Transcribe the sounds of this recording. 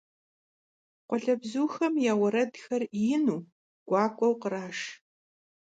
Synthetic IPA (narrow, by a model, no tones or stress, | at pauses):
qʷɔɮɐbzuːxɐmjaːwɐɾɐdxɐrjɪnuː | ɡ̥ʷɑːkʷʼɔwqəɾaːʂ